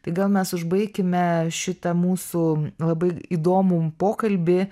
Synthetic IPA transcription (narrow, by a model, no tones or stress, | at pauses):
t̪ɐɪɡɐlˠmʲɛsʊʒbɐɪkʲɪmʲɛʃʲɪt̪ɐmuːsulˠɐbɐɪiːd̪oːmupoːkɐlʲbʲɪ